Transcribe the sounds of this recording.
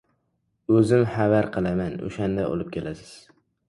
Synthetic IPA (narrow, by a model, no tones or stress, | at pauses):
ɵzɪmhavaɾqʰɨlˠamano̰ʃand̪aʔo̰lˠɪp̚kʲʰelasɪ̥z̥